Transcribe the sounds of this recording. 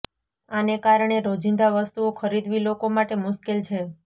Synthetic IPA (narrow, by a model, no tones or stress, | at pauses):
anekaɾɳ̃eɾod͡ʒind̪aʋəst̪uokʰəɾid̪ʱʋilokomaʈemʊʃkelt͡ʃʰe